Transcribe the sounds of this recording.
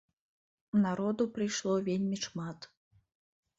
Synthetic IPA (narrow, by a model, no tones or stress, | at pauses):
unaɾɔd̪upɾɨjʂlˠɔvʲelʲmʲiʂmat̪